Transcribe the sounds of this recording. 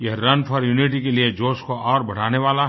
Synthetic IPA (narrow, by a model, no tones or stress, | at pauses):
jɐɦɾɐnpʰɔɾjuːniʈ̬ikelied͡ʒoːskoʔɔːɾbʱɐɽ̤aːneʋaːla